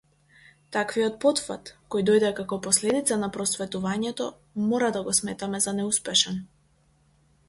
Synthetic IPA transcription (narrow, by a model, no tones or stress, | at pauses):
t̪akvijɔt̪̚pɔt̪fa̰t̪kɔjd̪ɔjd̪ɛkakɔpɔslɛd̪it̪sanapɾɔsvɛt̪uvaɲɛt̪ɔ | mɔɾad̪aɡɔsmɛt̪amɛzanɛuspɛʃɛn